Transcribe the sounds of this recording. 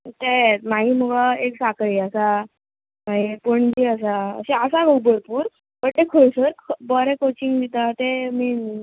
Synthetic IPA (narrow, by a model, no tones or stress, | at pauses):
t̪et̪maɦiːməɡaeksakʰɭiəsa | maɦipəɳd͡ʑiəs̬aə̰ɕeəsaɡowbəɾpuːɾ | pəɽt̪ekʰoɭsəɾkʰbəɾɛkot͡ɕiŋɡd̪it̪at̪emin